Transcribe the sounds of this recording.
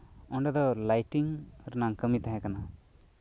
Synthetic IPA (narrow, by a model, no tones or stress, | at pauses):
ɔɳɖɛd̪ɔlajʈiŋɾnaŋkəmit̪aɦɛ̃kana